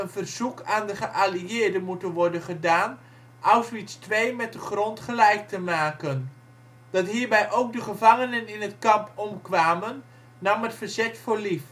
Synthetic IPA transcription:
ənvərzukʰaːndəχəʔaliɪːɹdəmutənʋɔɹdənχədaːn | ʔɑwsʋitstʋejmɛt̚dəχrɔntχəlɛjk̚təmaːkən | d̥ɑtɦiːɹbɛjʔowk̚dəχəvɑŋənənɪnɦətkɑmpɔmkʋaːmənː | ɑmətfərzɛtfʊːɹlif

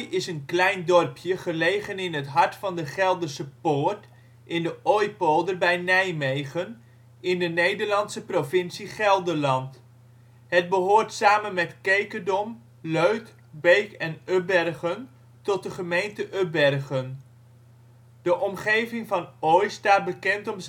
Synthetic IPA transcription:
jɪsənklɛjndɔrpjəχəlejχənɪnɦətɦɑɹtfɑndəχɛlˠdəɹsəpoːɹt | ʔɪndəʔɔjpolˠdərbɛjnɛjmejχən | ɪndənejdəɹlɑntsəprovɪnsiχɛlˠdəɹlɑnt | ɦəd̚bəɦoːrtsaːmənmɛtkejkədɔm | løɥk | bejkɛnøbɛrχən | tɔt̚dəχəmejntəʔøbɛrχən | d̥əʔɔmχejvɪŋvɑnɔjstaːt̚bəkɛntɔmz

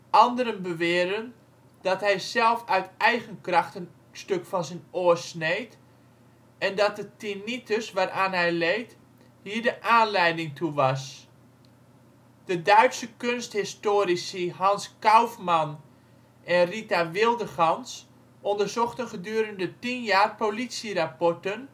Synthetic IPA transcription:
ʔɑndəɾənbəʋɪːərdən | d̥ɔtɦɛjsɛlˠfœɥtɛjɣənkrɑxtən | støkfɑnsɛnoəsnejt | ɛndɔt̚dətinitəsʋaːrʔaːnɦɛjlejt | hiːəɹdəʔaːnlɛjdɪŋtʰuʋɑs | d̥ədœɥtsəkønsthɪstoːɾisəɦɑnskawfman | ʔɛnritaʋɪlˠdəχɑns | ʔɔndərzɔxtənχədyːɾəndətinjaːrpolitsirapɔrtən

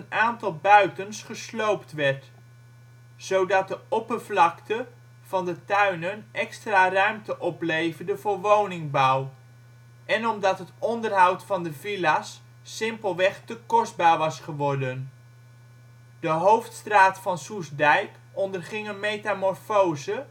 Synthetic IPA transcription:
ənaːntɑlˠbœɥtənsχəslowptʋɛɹt | z̥owdɑt̚dəɔpəvlɑktə | v̥ɑndətœɥnənʔɛkstraːrœɥmtəʔɔplejvərdəvʊːɹʋownɪŋbɑw | ʔɛnɔmdɑtɦətɔndərɦɑwtfɑndəvilasː | ɪmpəlˠʋɛχtəkɔszd̚baːɹʋɑsχəʋɔɹdən | d̥əɦowftstraːtfɑnsusdɛjp | ɔndərχɪŋənmejtamɔrfowzə

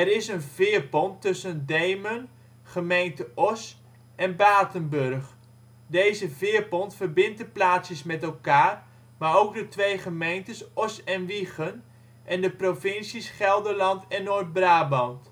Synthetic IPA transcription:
ɛɾɪsənvɪːrpɔntːɵsəndejmən | χəmejntəʔɔs | ɛnbaːtənbørχ | dejzəvɪːəɹpɔntfərbɪnt̚əplaːtsjəsmɛtɛlˠkaːr | maːɹowk̚dətʋejχəmejntəsɔsɛnʋiχən | ʔɛndəprofɪnsisχɛlˠdəɹlɑntɛnːoːt̚braːbɑnt

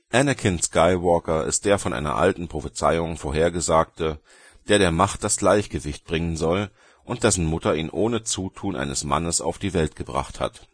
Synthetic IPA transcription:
ʔɛnəkʰɪnskaɪwɔɐkɐʔɪ̰std̥eːɐfɔnʔa̰ɪnɐ̰ʔa̰ltn̩pʁ̥ofət͡sa̰ɪʊŋfoːɐɦeːɐɡəzaːk̚tə | d̥eːɐɾeːɐmaχt̚d̥asɡ̥laɪçɡ̥əvɪçt̚b̥ʁɪŋənzɔl | ʔʊnt̚d̥ɛsn̩mʊtɐiːnʔoːnət͡suːtʰuːnʔa̰ɪnəsma̰nəsa̰ʊfd̥iːvɛltɡ̥əbʁa̰χtha̰t

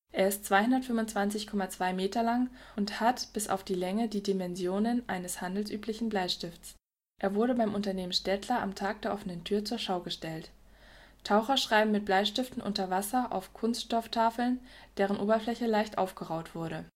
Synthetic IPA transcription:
ʔeːɐɪstt͡sv̥aɪhʊndɐtfʏmʊnt͡sv̥ant͡sɪçkʰɔmat͡sv̥aɪmeːtɐlaŋʔʊnthatb̥ɪsa̰ʊfd̥iːlɛŋədiːdimɛnzjoːnənʔaɪnəshandl̩sʔyːplɪçn̩blaɪʃtɪftt͡s | ʔeːɐvʊɐɾəbaɪmʔʊntɐneːmənʃtɛtʰlɐʔa̰mtʰaːk̚d̥eːɐʔɔfənəntʰyːɐt͡suːɐʃaʊɡəʃtɛlt | tʰaʊxɐʃʁ̥aɪbm̩mɪt̚b̥laɪʃtɪftn̩ʔʊ̰ntɐvasɐʔa̰ʊfkʰʊnstʃtɔftʰaːfl̩nd̥eːʁ̞ənʔoːbɐflɛçəlaɪçtʔa̰ʊfɡ̥əʁaʊtv̥ʊɐɾə

